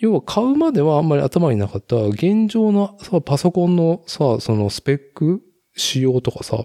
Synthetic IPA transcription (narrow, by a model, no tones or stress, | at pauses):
joːβakʰaɯ̟mad̪e̞βaãmːaɾʲia̰t̪amaɲ̟inakat̪ːaɡẽ̞ɲd͡ʑo̞ːnasapaso̞kõ̞nːo̞saso̞no̞sɨ̥pe̞kːɯ | ɕijo̞ːt̪o̞kasa̰